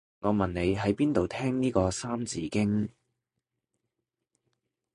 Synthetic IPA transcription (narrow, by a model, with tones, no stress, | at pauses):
ŋɔː˨˧mɐ˨nne˨˧jɦɐ˨˥jpiː˥nt̪o˨wt̪ʰɛː˥ŋniː˥kɔː˧saː˥mt͡sḭː˨˥kɪ˥ŋ